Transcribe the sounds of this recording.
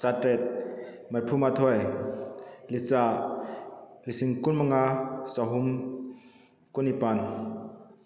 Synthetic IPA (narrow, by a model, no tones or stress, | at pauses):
satɾɛt̪̚ | mɐrpʰumat̪ʰɔj | lit͡sa | lisiŋkunmaŋasaɦum | kunipan